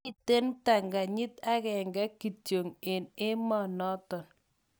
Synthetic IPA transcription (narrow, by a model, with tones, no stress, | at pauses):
i˨te˦nta˨ŋɡa˨ɲɪ˦ta˦kɛ˨ŋɡa˦ki˨tjo˨ŋe˨ne˦mɔ˨nɔ˦tɔ˨n